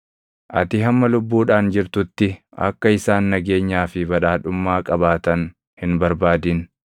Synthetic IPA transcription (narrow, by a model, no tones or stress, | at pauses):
ʔɐ̰t̪ɪɦɐmːɐlʊbːuːᶑaːnd͡ʒɪɾt̪ʊt̪ːɪ | ɐ̰kːɐɪsaːnːɐɡe̞ːɲːaːfɪbɐᶑaːᶑʊmːaːkʼɐbaːt̪ɐn | hɪnbɐɾbaːd̪ɪn